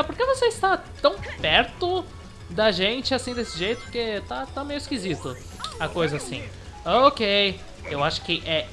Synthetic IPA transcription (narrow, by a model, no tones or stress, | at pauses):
ɛpoɾkevoseɪst̪at̪ɐ̃w̃pɛɾt̪ʊ | d̪ɐʒẽnt͡ʃɪasĩd̪esɪʒejt̪ʊket̪at̪amejʊɪskizit̪ʊ | ɐkojzɐːsḭ̃ | ookej | ewaʃʊ̥kɪʔɛ